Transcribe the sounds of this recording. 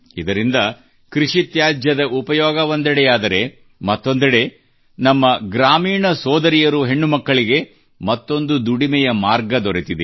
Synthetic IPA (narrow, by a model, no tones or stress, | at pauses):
id̪ɐɾind̪ɐ | kɾiʂit̪jaːd͡ʒjɐd̪ɐʔupɐjɔːɡɐond̪ɐɽejaːd̪ɐɾe̞ | mɐt̪ːo̞nd̪ɐɽe̞ | nɐmːɐɡɾaːmiːɳɐsɔːd̪ɐɾijɐɾuɦe̞ɳːumɐkːɐɭiɡe̞ | mɐt̪ːo̞nd̪ud̪uɽimɛjɐmaːɾɡɐd̪ɔɾet̪id̪e